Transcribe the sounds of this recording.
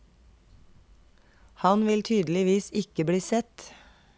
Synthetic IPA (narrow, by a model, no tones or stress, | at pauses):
hɑnʋɪlt̪ʰyːd̪l̩ɪʋiːsɪkəbɽiːsɛt̪